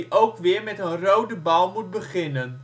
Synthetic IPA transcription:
ʔowkʋɪərmɛtənrowdəbɐlˠmut̚bəχɪnən

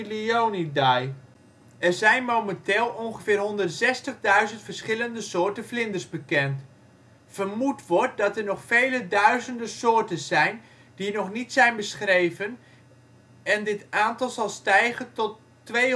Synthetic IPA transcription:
liownidaj | ɛrzɛjnmowmɛnteːlˠɔnχəvɪːrɦɔndərtzɛstəχdœɥzəntfəɹsχɪləndəsʊːɹtəflɪndəɹzbəkɛnt | fərmutʋɔɹt̚dɑtɛɹnɔχfejlədœɥzəndəsoːɹtəzɛjn | dinɔχnitsɛjnbəsχrejvən | ɛndɪtʔaːntɑlˠzɑlˠstɛjχəntɔtː | ʋej

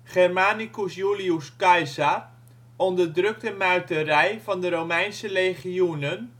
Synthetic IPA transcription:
χɛrmaːnikusjuliuskɑjza | ɔndəɹdrɵk̚təmœɥtərɛjvɑndəɾowmɛjnsərejχiunən

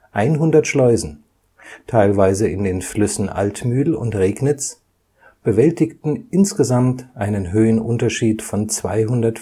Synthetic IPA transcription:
ʔaɪnɦʊndɐtʃlɔʏzn̩ | tʰaɪlvaɪzəɪndeːnflʏsn̩ʔa̰ltmyːl̩ʊ̰ntʁeːknɪt͡s | b̥əvɛltɪktn̩ʔɪnsɡ̥əzamtʔaɪnənɦøːənʔʊntɐʃiːtfɔnt͡sv̥a̰ɪɦʊndɐt

